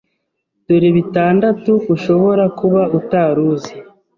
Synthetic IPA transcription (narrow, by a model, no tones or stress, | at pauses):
d̥uɾiβitaːndatuːʃo̞βo̞ɾakuβautaːɾuːzi